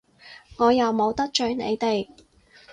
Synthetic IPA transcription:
ŋɔː˨˧jɐ˨wmo˨˧wt̪ɐ˥k̚t͡ʃœː˨˥ŋnḛ˨˧jt̪e˨j

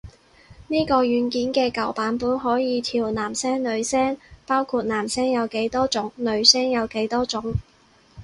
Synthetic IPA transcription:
niː˥kɔː˧jyː˨˥nkiː˨˥nkɛː˧kɐ˨˩wpaː˨˥npuː˨˥nɦɔː˨˥jiː˨˧t̪ʰiː˨˩wnaː˨˩msɛː˥ŋlɵ˨˧ɥsɛː˥ŋpaː˥wkʰuː˧t̚naː˨˩msɛː˥ŋjɐ˨˧wke˨˥jt̪ɔː˥t͡sʊ˨˥ŋlɵ˨˧ɥsɛː˥ŋjɐ˨˧wke˨˥jt̪ɔː˥t͡sʊ˨˥ŋ

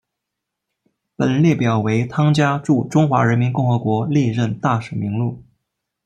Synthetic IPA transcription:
pə˨˩nljɛ˥˩pjɑ˨˩ʊwe˧˥ɪt̪ʰɑ˥ŋt͡ɕja˥ʈ͡ʂu˥˩ʈ͡ʂʊ˥ŋxwa˧˥ɻə˧˥nmi˧˥nkʊ˥˩ŋxɤ˧˥kwɔ˧˥li˥˧ɻə˥˧nt̪a˥˩ʂ̩˨˩mi˧˥ŋlu˥˩

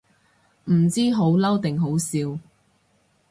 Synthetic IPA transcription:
m̩˨˩t͡siː˥ɦo˨˥wlɐ˥wt̪ɪ˨ŋɦo˨˥wsiː˧w

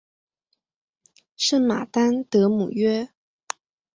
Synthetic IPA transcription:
ʂə˥˩ma˨˩t̪a˥nt̪ɤ˧˥mṵ˨˩ɥɛ˥

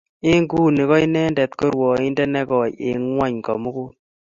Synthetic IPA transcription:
ɪ˦ŋɡuː˦ni˨kɔ˦i˦nɛ˦ndɛ˨t̪ko˦ɾwɔ˨ɪ˦ndɛ˦nɛ˦kɔ˨jɪ̰˨ŋwa˦ɲkɔ̰˨mʊ˦kʊ˦

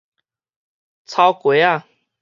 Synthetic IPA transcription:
t͡sʰa˧˦ʊkwe˨˦ɪa˥˨

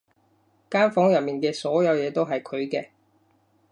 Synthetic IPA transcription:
kaː˥nfɔː˨˥ŋjɐ˨t̚miː˨nkɛː˧sɔː˨˥jɐ˨˧wjɛː˨˧t̪o˥wɦɐ˨jkʰɵ˨˧ɥkɛː˧

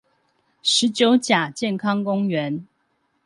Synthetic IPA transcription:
ʂɻ̩˨˥t͡ɕjo˨˦ʊt͡ɕja˨˩t͡ɕjɛ˥˨nkʰɑ˥ŋkʊ˥ŋɥɛ˨˦n

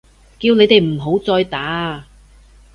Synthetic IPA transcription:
kiː˧wne˨˧jt̪e˨jm̩˨˩ɦo˨˥wt͡sɔː˧jt̪aː˨˥

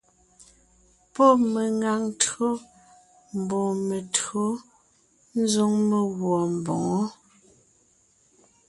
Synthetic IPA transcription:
pɔ˦me˨ŋa˨ŋtɰo˦ | m̩˨bɔ˨me˨tɰo˨˦ | n̩˦zo˦ŋme˨ɣwɔ˨m̩˨bɔ˨ŋɔ˦

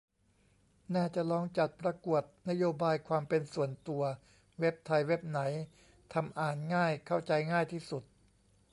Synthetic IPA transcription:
naː˥˩t͡ɕa˨˩lɔː˧˥ŋt͡ɕa˨˩t̪̚pɾa˧ku˨˩ət̪̚na˦˥joː˧baː˧jkʰwaː˧mpe˧nsu˨˩ənt̪u˧ɐ | we˦˥p̚t̪ʰa˧jwe˦˥p̚na˩˦j | t̪ʰa˧mʔaː˨˩nŋaː˥˩jkʰa˥˩wt͡ɕa˧jŋaː˥˩jt̪ʰiː˥˩su˨˩t̪̚

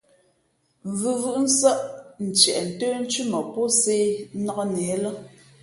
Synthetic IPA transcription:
vʉ˨vɯ˦˨ʔn̩˦sə˦ʔn̩˨t͡ʃɛ˨ʔn̩˨təː˦n̩˦t͡ʃʉ˦mɔ˨pɔ˦se˦nɔ˦kɔ˦nɛː˨˦lə˦

